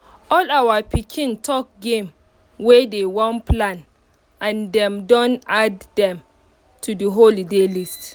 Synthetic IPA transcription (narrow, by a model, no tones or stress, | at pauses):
ɔlawapikʰĩntʰɔk̚ɡẽm | wedewɔ̃nplãn | ãndɛ̃mdɔ̃naddɛ̃m | tʰudiɦolidelist